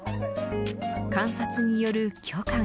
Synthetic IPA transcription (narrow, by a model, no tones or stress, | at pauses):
kãɰ̃sat͡sɨɲ̟ijo̞ɾɯ̟kʲʰoːkã